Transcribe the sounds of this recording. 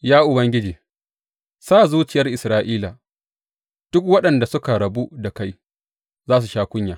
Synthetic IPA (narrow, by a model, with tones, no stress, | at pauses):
jaː˦ʔʊ˨bɐ˦ŋɡʲɪ˦d͡ʒiː˨ | saː˦˨zuː˦t͡ʃɪ˨jɐ˦rʔɪ˨sɾaː˦ʔiː˦la˨ | d̥ʊ˦kwɐ˦ɗɐ˨nda˨sʊ˦ka˨ɾɐ˨bu˦da˨ka˦j | zaː˦s̬u˨ʃaː˦kʷʊ˦ɲjaː˨